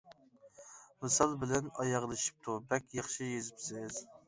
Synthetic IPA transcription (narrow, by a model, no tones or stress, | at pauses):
mɨsɑlˠbɪlɛnɑjɑʁlˠɨʃi̥p̚t̪ʰubɛkʲjɑχʃijezɪpsɪz̥